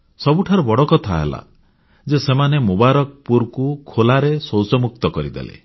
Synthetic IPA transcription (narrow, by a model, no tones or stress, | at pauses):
sɔbuʈʰaɾɔbɔɽɔkɔt̪ʰaɦḛla̰ | d͡ʒesemanemubaɾɔk̚puɾkukʰolaɾesowsɔmuk̚t̪ɔkɔɾid̪ḛlḛ